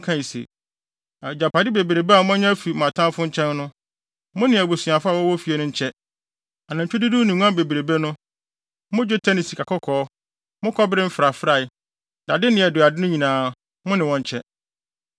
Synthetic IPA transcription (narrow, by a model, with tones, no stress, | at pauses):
kʰã˦i˨sḛ˨ | a˨d͡ʑa˨pʰa˨dɪ˦be˨bɾe˨bɛ˦a˨˦mʊ̃˦a˦ɲã˦fi˨mã˨tʰã˦mfʊ̃˦ɲ̩˦t͡ɕʰɛ̃˦nnʊ̃˦ | mʊ̃˦nɪ̃˨æ˨bo˨sĩ˨a˨fa˦˨wɔ˦wɔ˦fi˨e˨nʊ̃˦ɲ̩˦t͡ɕʰɛ˦ | a˨nã˨ɲ̩ᶣʰ˨ʊ˦di˦du˦nɪ̃˨ŋ˦ã˦be˨bɾe˨be˦nʊ̃˦ | mʊ̃˦d͡ʑo˦tʰɛ˦ni˨si̥˨kʰa˨kʰɔ˦kʰɔː˨˦ | mʊ̃˦kʰɔ˦bɪ˦ɾɪ˦m̩˦fɾa˨fɾa˨ | da˨dɪ˦nɪ̃˨ɛ˨dʊ˨a˨dɪ˦nʊ̃˦ɲĩ˨nãː˨˦ | mʊ̃˦nɪ̃˨wɔ̃˦ɲ̩˨˦t͡ɕʰɛ˦